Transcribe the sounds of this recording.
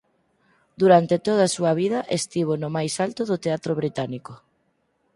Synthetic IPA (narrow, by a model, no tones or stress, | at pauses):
d̪uɾant̪et̪oð̞ɐːsuɐβ̞iðɐʔest̪iβ̞onʊmajsalt̪oðʊt̪eat̪ɾoβ̞ɾit̪aniko